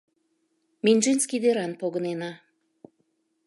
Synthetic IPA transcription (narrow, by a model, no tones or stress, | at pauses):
mʲinʲʒenskid̪eɾɑnpoɣə̆nenɑ